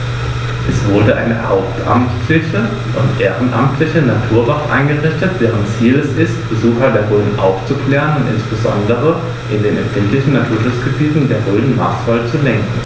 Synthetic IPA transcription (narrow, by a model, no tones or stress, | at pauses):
ʔɛsv̥ʊɐdəʔa̰ɪnəhaʊp̚tʰʔa̰mtlɪçə | ʔʊntʔeːʁənʔa̰mtʰlɪçənatʰuːɐvatʔa̰ɪnɡəʁɪçtətd̥ɛːʁənt͡siːlɛsɪstb̥əzuːxɐdeːɐʁøːdn̩ʔa̰ʊft͡sukl̥ɛːʁənʊntɪ̰nsb̥əzɔ̰ndəʁə | ʔɪndeːnɛ̰mfɪntlɪçn̩nːatʰuːɐʃʊt͡sɡ̥əbiːtn̩deːɐʁøːdn̩ma̰ːsfalt͡sulɛŋkŋ̩